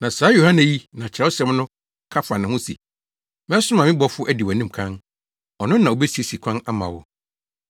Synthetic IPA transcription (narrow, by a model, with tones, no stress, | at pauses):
nã˨saː˨˦jo˨hã˦næ˨ji˦nã˨t͡ɕʰɾɛ˦ɔ˦sɛ̃˦mnʊ̃˦ | kʰa˦fa˨nɪ̃˨hʊ̃˦sḭ˨ | mɪ̃˦ɛ˦sʊ˦mã˨mɪ̃˦bɔ˦fʊ˦ʔæ˦di˨wæ˨nĩ˦m˨kʰã˦n | ɔ˨nʊ̃˦nːã˨o˨bɛ˦si˨˦e˨si˨kʷʰã˦na˦mã̰˨wʊ˦